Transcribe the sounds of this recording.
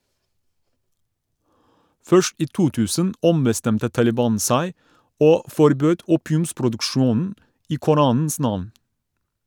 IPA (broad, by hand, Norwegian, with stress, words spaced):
ˈfœʃt ˈiː ˈtuː ˈtʉːsən ˈɔmbəˌstɛmtə tɑlɪˈbɑːn ˈsæɪ ˈoː fɔɾˈbøːd ˈuːpɪʉmspɾʊdʉkˌʃuːnn̩ ˈiː kʊˈɾɑːnn̩s ˈnɑʋn